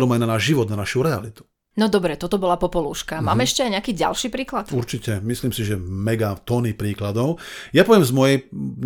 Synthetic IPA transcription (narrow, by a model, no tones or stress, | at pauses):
ɾumananaːʒʒiʋɔd̪nanaʃuɾɛa̰lit̪u̥ | nɔd̪ɔbɾɛt̪ɔt̪ɔbɔlapɔpɔluːʃkamaːmɛɛʃcɛajɲɛakiːɟa̰lʃiːpɾiːklat̪uɾt͡ʃicɛmisliːmsiʒɛmɛɡat̪ɔnipɾiːklad̪ɔʊjapɔʋjɛmzmɔjɛj